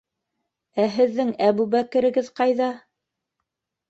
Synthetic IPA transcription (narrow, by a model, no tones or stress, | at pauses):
æɦɘ̆ðːɘŋæβubækɘ̆ɾɘ̆ɡɘðqɑjðɑ